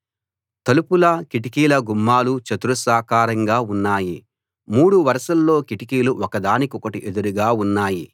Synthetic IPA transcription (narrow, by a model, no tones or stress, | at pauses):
t̪ɐlupulɐkiʈikiːlɐɡumːaːlut͡ʃɐt̪uɾusaːkaːɾɐŋɡaːunːaːji | muːɽuʋɐɾɐʃɐlːo̞ːkiʈikiːluʔɔkɐd̪aːnikiɔkɐʈiʔed̪uɾuɡaːunːaːji